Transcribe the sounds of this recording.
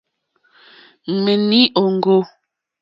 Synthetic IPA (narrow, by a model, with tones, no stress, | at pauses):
me˨ni˦ʔo˨ŋ˨ɡo˦